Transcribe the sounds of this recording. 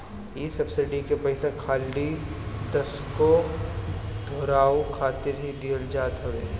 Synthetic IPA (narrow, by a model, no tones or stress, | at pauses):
isɐbsɪɖikepɐɪsakʰaːlːit̪ɐsko | d̪ʱoːɾaːokʰaːt̪ɪɾɦid̪iːəld͡ʒaːt̪ɦɐʋeː